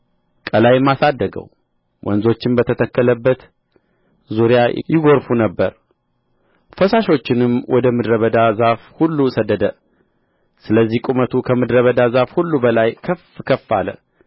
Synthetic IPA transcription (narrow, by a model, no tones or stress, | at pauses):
kʼəlajmːasad̪ːəɡə̰w | wʔɔ̰nzo̞t͡ʃːɪnbət̪ʰət̪ʰəkːələbːət̪ | zuɾja̰jɪɡo̞ɾfunəbːə̰ɾ | fəsaʃo̞t͡ʃːɪnɨmwɔd̪əmɨd̪ɾəβəd̪azafhulːusəd̪ːəd̪ə | sɨləzːihkʼumət̪ʰukʰəmɨd̪ɾəβəd̪azafhulːubəlajkʰəfkʰəfːa̰lə̰